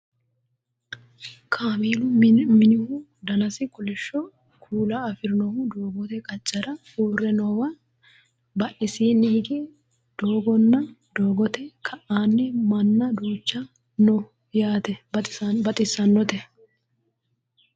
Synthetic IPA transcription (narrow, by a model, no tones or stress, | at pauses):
kʰaːmiːlʊmɪnɪhʊ | d̪ɐnɐsɪkʼʊlɛʃːɔ | kʰuːlɐːfɪɾɪnɔhʊd̪oːɡɔt̪ɛkʼɐt͡ʃʼːɐɾɐ | uːrːɛnɔwɐ | bɐʔɪsiːnːɪhɪɡɛ | d̪̥oːɡɔnːɐd̪oːɡɔt̪ɛkʰɐʔaːnːɛmɐnːɐd̪uːt͡ʃːɐ | nɔ | jaːt̪ɛbɐt̪ʼɪsːɐnːɔt̪ɛ